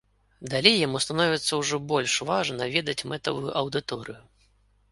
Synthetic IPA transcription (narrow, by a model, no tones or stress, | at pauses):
d̪alʲejjamust̪anɔvʲɛt̪sːɐwʐɔbɔlʲʂvaʐnɐvʲɛd̪ɐt͡sʲmɛt̪ɐvujuʔɐwd̪ɨt̪ɔɾɨju